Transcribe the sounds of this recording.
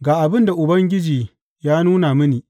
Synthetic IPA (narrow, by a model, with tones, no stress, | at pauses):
ɡaː˨ʔa˨bɪ˦nda˨ʔʊ˨bɐ˦ŋɡʲɪ˦d͡ʒiː˨ | jaː˦nuː˦na˨mɪ˦niː˨